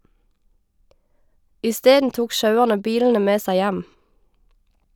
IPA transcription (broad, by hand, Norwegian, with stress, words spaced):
ɪˈsteːdn̩ ˈtuːk ˈʃɑʉæʁnə ˈbiːln̩ə ˈmeː ˈsæɪ ˈjæm